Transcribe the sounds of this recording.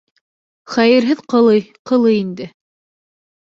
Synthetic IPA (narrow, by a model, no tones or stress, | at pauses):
χæjɘ̆ɾɦɘðqɤ̆lˠɤjqɤ̆lˠɤjind̪ɘ